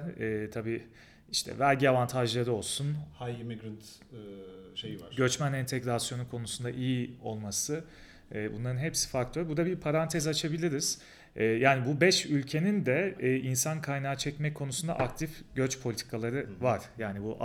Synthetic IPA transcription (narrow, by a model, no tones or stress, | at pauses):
ɛːt̪ʰabiː | iʃt̪ʰɛ̰vælʲɟiavant̪ʰaʒlˠaɾɯo̞lˠsunhajimiɡɾɯnt̪ | ʃejivaɾɟø̞t͡ʃmænɛnt̪ʰɛɡɾasjo̞nukʰo̞nusund̪aʔijio̞lˠmasɯ | ɛːbṵnlˠaɾɯnɦɛpsi̥fak̚t̪ʰøɾbud̪abiɾpʰaɾant̪ʰɛzat͡ʃʰabilʲiɾiz̥ | ɛːjaːnibubɛʃylʲcʰe̞nind̪ɛːinsankʰajnaːt͡ʃʰɛcmɛc̚kʰo̞nusund̪a̰ʔak̚t̪ʰifɟøt͡ʃpʰo̞lʲit̪ʰi̥kʰalˠaɾɯvaɾ̥jaːnibuʔ